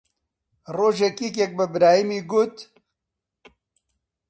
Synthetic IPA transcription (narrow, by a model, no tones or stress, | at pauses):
roːʒɛkik̬ɛk̚bɨbɾaːjimiːɡʊt̪